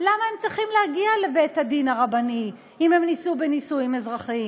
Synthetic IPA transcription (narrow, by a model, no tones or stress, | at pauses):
lamae̞mt͡sʁiχimlehaɡiale̞bejthadinaʁabani | ime̞mnisubenisujimezʁaχim